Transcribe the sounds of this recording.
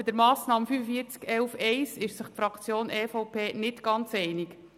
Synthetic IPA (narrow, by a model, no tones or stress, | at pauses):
bɪd̪əɾmɑːsnɑːmfyfəfiːəɾt͡skɛlfɛɪsɪʃsəχtfɾɑkt͡sjoːnʔɛːfɔwpʰeːnɪtɡ̥ɑnt͡sɛɪnɪk